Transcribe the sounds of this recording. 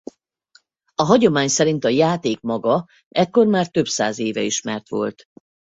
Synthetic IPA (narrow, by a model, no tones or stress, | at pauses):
ɒɦɒɟo̞maːɲsɛɾint̪ɒjaːt̪eːk̚mɒɡɒ | ɛkːo̞rmaːrt̪ø̞psa̰ːzeːvɛiʃmɛrt̪ʋo̞̰lt̪